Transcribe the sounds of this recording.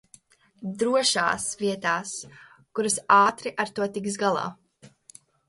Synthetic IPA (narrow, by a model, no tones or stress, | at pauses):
d̪ɾuɔʃa̰ːsviɛt̪aːs | kuɾɨsaːt̪ɾiʔaɾt̪uɔt̪iksɡalˠɑ̰ː